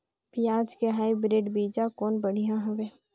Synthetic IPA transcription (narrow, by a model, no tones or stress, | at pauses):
pɪjaːd͡ʒkeɦaːibɾeːɖbiːd͡ʒakɔːnbɐɽ̤ijãɦʊʋeː